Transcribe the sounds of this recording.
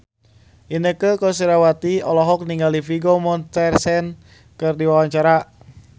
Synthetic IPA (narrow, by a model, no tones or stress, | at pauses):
ʔinəkəkɔs̬iɾawat̪iɔlɔɦɔk̚niŋɡalifiɡomɔnt̪ɛrsɛn | kɨrdiwawaɲt͡ʃaɾa